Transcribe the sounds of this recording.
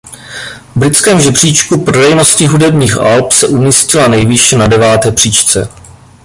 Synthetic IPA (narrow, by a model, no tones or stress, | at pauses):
vbɾɪt͡skɛːmʒɛbr̝̥iːt͡ʃkupɾodɛjno̞scɪɦudɛbɲiːxʔa̰lpsɛʔumiːscɪlanɛjvɪʃɛnadɛvaːt̪ɛːpr̝̥iːt͡ʃt͡sɛ̰